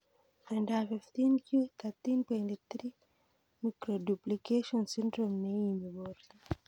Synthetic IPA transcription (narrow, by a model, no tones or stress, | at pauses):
pɛndafift̪inkjut̪at̪inpɔint̪it̪ɾi | mikɾoduplikeʃɔnsindɾɔmnejimiboɾ